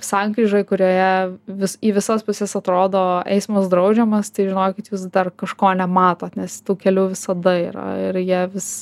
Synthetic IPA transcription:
sɑŋkɾʲiːʒoɪkʊɾʲoːjɛʋʲɪsiːʋʲɪsospʊsʲɛsɐt̪ɾoːd̪oːɛ̰ɪsmɐsd̪ɾɐʊd͡ʒʲɛmɐst̪ɐɪʒʲɪnoːjkʲɪt̪juːs̬d̪ɐrkɐʃkoːnʲɛmɑːt̪oːt̪nʲɛst̪uːkʲɛlʲuːʋʲɪsɐd̪ɐiːɾɐ̰ɪɾjiɛʋʲɪs

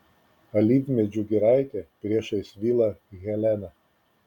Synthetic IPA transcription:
ɐlʲiːʋʲmʲɛd͡ʒʲʊɡʲɪɾɑɪt̪ʲɛpʲɾʲiɛʃɐɪsʲʋʲiːlˠɐɣʲɛlʲɛnɐ

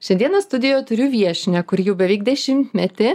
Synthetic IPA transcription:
ʃʲɛnd̪ʲiɛnɐst̪ʊd̪ʲɪjojt̪ʊɾʲuːʋʲiɛʃʲɪnʲɛkʊɾjɛʊbʲɛʋʲɛɪɡd̪ʲɛʃʲɪmʲt̪ʲmʲɛt̪ʲɪ

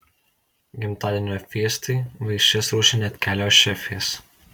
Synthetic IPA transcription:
ɡʲɪmt̪ɑːd̪ʲeːnʲoːfʲiɛst̪ɐɪʋɐɪʃʲt͡ʃʲɛsɾuːʃʲɪnʲeːt̪ʲkʲæːlʲoːʃʲɛfʲeːs

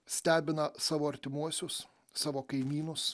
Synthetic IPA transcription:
sʲt̪ʲæːbʲɪnɐsɑːʋoːɐɾʲt̪ʲɪmuɔsʲʊs | sɑːʋoːkɐɪmʲiːnʊs

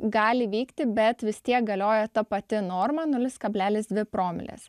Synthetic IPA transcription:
ɡɑːlʲɪʋʲiːkt̪ʲɪbʲɛt̪ʋʲɪst̪ʲiɛk̚ɡɐlʲoːjɛt̪ɐpɐt̪ʲɪnoːɾmɐnʊlʲɪskɐbʲlʲæːlʲɪsd̪ʲʋʲɪpɾoːmʲɪ̰lʲḛs

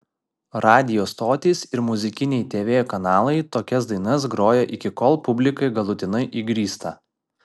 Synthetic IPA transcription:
ɾɑːd̪ʲɪjoːst̪oːt̪ʲiːsɪɾmʊzʲɪkʲɪnʲɛjt̪ʲeːʋʲeːjkɐnɑːlˠɐɪt̪oːkʲɛsd̪ɐɪnɐsɡɾoːjoːʔɪkʲɪkɔlˠpʊbʲlʲɪkɐɪɡɐlˠʊt̪ʲɪnɐɪʔiɡɾʲiːst̪ɐ̰

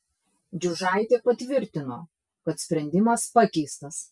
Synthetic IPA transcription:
d͡ʒʲʊʒɑˑɪt̪ʲeːpɐt̪ʲʋʲɪɾʲt̪ʲɪnoː | kɐt̪sʲpʲɾʲɛnʲd̪ʲɪmɐspɐkʲɛɪst̪ɐs

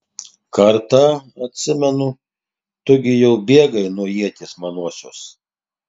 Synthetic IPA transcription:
kɐɾt̪ɑɐt̪ʲsʲɪmʲɛnʊ | t̪ʊɡʲɪjɛʊbʲeːɡɐɪnuɔjiɛt̪ʲeːsmɐnuɔsʲoːs

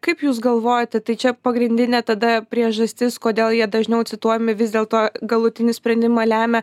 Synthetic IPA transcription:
kɐɪpjuːsɡɐlˠʋoːjot̪ʲɛt̪ɐɪt͡ʃʲɛpɐɡɾʲɪnʲd̪ʲɪnʲɛt̪ɐd̪ɐpʲɾʲiɛʒɐsʲt̪ʲɪskoːd̪ʲeːlˠjiɛd̪ɐʒʲnʲɛʊtt͡s̪ʲɪt̪uɔjɛmʲɪʋʲɪzd̪ʲeːlˠt̪oːɡɐlˠʊt̪ʲɪnʲɪsʲpʲɾʲɛnʲd̪ʲɪmɐlʲæːmʲɛ

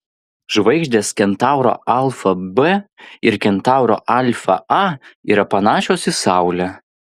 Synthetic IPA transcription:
ʒʋɐɪɡʒʲd̪ʲeːskʲɛnt̪ɑˑʊɾo̰ʔɑlˠfɐbɛɪɾkʲɛnt̪ɑˑʊɾo̰ːʔɑlʲfɐ̰ɐḭːɾɐpɐnɑːʃʲoːsɪsɑˑʊlʲɛ

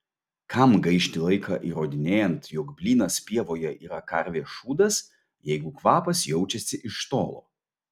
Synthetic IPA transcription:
kʰɐmɡɐɪʃʲt̪ʲɪlˠɐɪkʰɑ̰ːʔiːɾoːd̪ʲɪnʲeːjɛnt̪jɔkbʲlʲiːnɐspʲiɛʋoːjɛʔiːɾɐkɐɾʲʋʲeːʃuːd̪ɐs | jɛɪɡʊkʋɑːpɐsjɛʊt͡ʃʲɛsʲɪʔɪʃt̪o̰ːlˠo̰ː

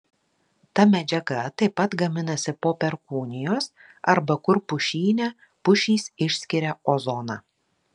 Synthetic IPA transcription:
t̪ɐmʲɛd͡ʒʲɛɡɐt̪ɐɪpːɐt̪ɡɐmʲɪnɐsʲɪpoːpʲɛɾkuːnʲɪjoːs | ɐɾbɐkʊɾpʊʃʲiːnʲɛ | pʊʃʲiːsɪʃʲsʲkʲɪɾʲɛozɔnɑ

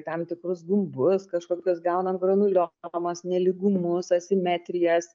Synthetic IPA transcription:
t̪ɐmt̪ʲɪkɾʊs̬ɡʊmbʊskɐʃkoːkʲosɡɐʊnɐmɡrɐnʊlʲomɐsnʲɛlʲɪɡʊmʊsɐsʲɪmʲɛt̪ʲɾʲɪjɛs

